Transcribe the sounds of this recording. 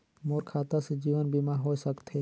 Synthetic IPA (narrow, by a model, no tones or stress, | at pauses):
moɾkʰaːt̪ased͡ʒiːʋənbimaɦoːesəkt̪ʰɦe